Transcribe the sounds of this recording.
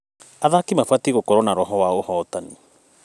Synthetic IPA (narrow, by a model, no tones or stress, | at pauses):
aðakimafwatiɣokɔɾɔnaɾɔɦɔwaohɔːtani